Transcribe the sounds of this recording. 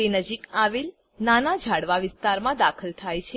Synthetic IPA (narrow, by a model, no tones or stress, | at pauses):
enəd͡ʒikaʋel | nanad͡ʒʱaɽʋaʋɪst̪aɾmãd̪akʰəlt̪ʰajt͡ʃʰe